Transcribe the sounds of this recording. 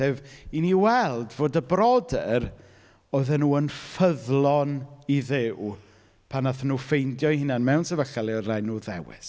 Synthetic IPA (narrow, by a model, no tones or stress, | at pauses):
θeviniwɛlˠdvoːdəbrɔdɛr | ɔɨðɛnuːənfəðlˠɔniðɪw | pʰanaθnuːfejndjɔihɪnanmɛwnsɛvəɬɛlˠiɔrajnːuːðɛwɪ̰s